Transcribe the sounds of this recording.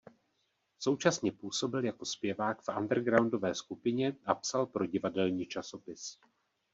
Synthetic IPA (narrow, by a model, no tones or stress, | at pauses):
so̞wt͡ʃasɲɛpuːso̞bɪljako̞spjɛvaːkfʔa̰ndɛɾɡɾawndo̞vɛːskupɪɲɛʔapsalpɾo̞ɟɪvadɛlɲiːt͡ʃaso̞pɪs